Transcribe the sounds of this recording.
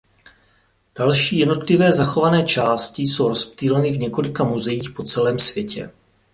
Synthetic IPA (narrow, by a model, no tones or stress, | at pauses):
d̥alʃiːjɛdno̞t̪lɪvɛːzaxovanɛːt͡ʃaːscɪso̞wɾo̞spt̪iːlɛnɪvɲɛko̞lɪkamuzɛjiːxpo̞t͡sɛlɛːmsv̥jɛcɛ̰